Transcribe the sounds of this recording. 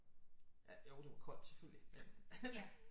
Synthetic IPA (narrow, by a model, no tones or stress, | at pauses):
jæjoʊd̥e̝ʋɑ̈kʰɒ̽l̰d̥se̥føl̰jie